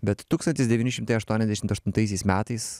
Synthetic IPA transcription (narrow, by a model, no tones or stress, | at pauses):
bʲɛt̪t̪ːuːkst̪ɐnt̪ʲɪsd̪ʲɛʋʲiːnʲɪʃʲɪmt̪ɐɪɐʃt̪uɔnʲɛzd̪ʲæʃɪmt̪ɐʃt̪ʊnt̪ɐɪs̬ʲɛɪsmʲæːt̪ɐɪs